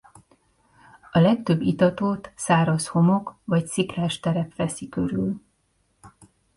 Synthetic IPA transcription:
ɒlɛk̚t̪ø̞bːit̪ɒt̪oːt̪saːɾɒsho̞mo̞kvɒc̪sikraːʃt̪ɛɾɛpʋɛsikø̞ɾyl

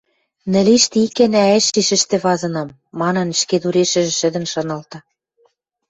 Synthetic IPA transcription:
nɘ̆liʃt̪iikænæeʃiʃɘ̆ʃt̪ĕβɑzɤ̆nɤmːɑnɤ̆n̆ʃked̪uɾeʃɘ̆ʒɘ̆ʃɘ̆d̪ɘ̆nʃɤ̆nɤ̆lt̪ɤ̆

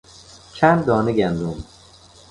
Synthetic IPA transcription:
t͡ʃʰænd̪̚d̪ɒːneɡænd̪om

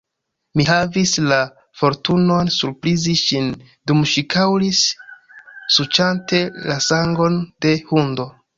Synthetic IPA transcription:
miɦavisla | fo̞ɾtuno̞nsuɾpɾiziʃin | dumʃikʰawlisː | ut͡ʃante̞lasaŋɡo̞nde̞hundo̞

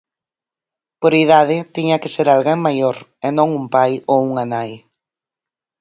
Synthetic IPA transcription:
poɾiðaðɪt̪iɲɐkɪseɾalɣeŋmajoɾenõŋumpajouŋanaj

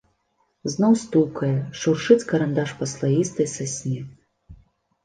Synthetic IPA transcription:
znɔwst̪ukɐjɛʂurʂɨt͡sʲkɐɾand̪aʂpɐslˠajist̪ɐjsasʲnʲɛ

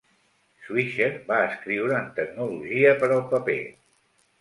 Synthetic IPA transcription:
swiʃeɾbaəskɾiwɾəːnt̪ək̚nuluʒiəpəɾəlˠpəpḛ

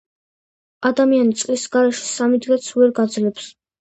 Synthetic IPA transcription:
ad̪amianit̪sʼlisɡaɾɛʃɛ̥samid̪ʁɛt̪sʰuvɛɾɡad̪zlɛps

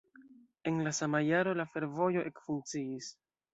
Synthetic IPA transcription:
e̞nlasamajaɾo̞lafe̞ɾvo̞jo̞ʔe̞kfuŋk̚t͡siis

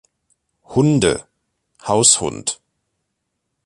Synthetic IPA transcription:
hʊndə̰ | haʊshʊ̰nt

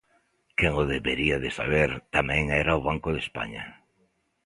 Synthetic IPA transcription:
keŋoðeβeɾiaðɪsa̰βeɾt̪amɛ̃ŋɛɾaoβaŋkʊðespa̰ɲa̰

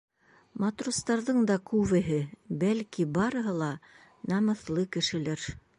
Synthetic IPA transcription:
mɑt̪rust̪ɑɾðɤɴd̪ɑkʉβɘ̆ɦɘbælkibɑɾɤ̆ɦɤlˠɑ | nɑmɤ̆θlˠɤkɘ̆ʃɘ̆læɾ

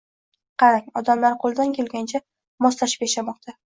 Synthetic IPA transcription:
qʰɑɾaŋɒd̪amlaɾqʰolˠd̪ankʲʰelɡʲant͡ʃʰa | mɒslaʃɪ̥pjaʃamɒq̚t̪ʰa

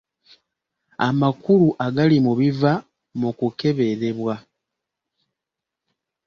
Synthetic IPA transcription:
a̰makuluʔaɡalimuβiva | mukuke̞βe̞ɾe̞βwa

